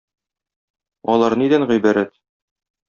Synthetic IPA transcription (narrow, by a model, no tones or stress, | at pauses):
ɒlˠɑɾnid̪ænʁijbæɾæt̪